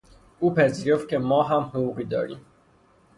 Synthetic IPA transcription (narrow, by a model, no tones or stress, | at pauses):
uːpʰæziːɾo̞ft̪̚cʰemɒːɦæmhouɣiːd̪ɒ̰ːɾḭːm